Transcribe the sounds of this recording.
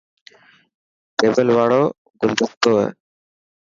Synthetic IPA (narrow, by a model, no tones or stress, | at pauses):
ʈeːbəlʋaːɽoː | ɡʊnd̪ʱəkt̪oːɦɛ̰ː